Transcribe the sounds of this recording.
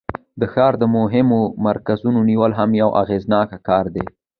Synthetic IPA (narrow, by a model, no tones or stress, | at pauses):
d̪əxɑɾd̪əmʊɦɪmomaɾkazunoniwəlɦamjawʔa̰ɣeznɑkakɑɾd̪e